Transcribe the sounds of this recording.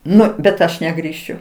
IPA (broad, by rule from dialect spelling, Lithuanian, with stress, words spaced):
ˈnʊ bʲɛt ˈɐʃ nʲɛɡrʲiːˈʃʲʊ